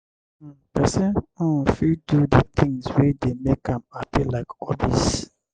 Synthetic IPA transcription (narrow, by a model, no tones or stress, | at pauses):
pɛsɛ̃nɔ̃fidudət̪ʰĩŋswɛd̪emekãmapʰɛlaɪkɔbis